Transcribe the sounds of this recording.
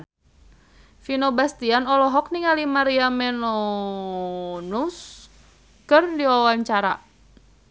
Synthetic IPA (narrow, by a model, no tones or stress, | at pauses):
finobast̪ianɔlɔɦɔk̚niŋalimaɾiamɛnɔ | nus | kɨrdiwawaɲt͡ʃaɾa